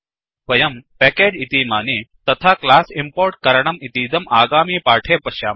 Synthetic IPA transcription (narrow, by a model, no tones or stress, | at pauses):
ʋɐjɐmpɛːkeːd͡ʒit̪iːmaːniːt̪ɐt̪ʰaːklaːsimpoːɾʈ̚kɐɾɐɳɐmit̪iːd̪ɐmʔaːɡaːmiːpaːʈʰeːpɐʃja̰ː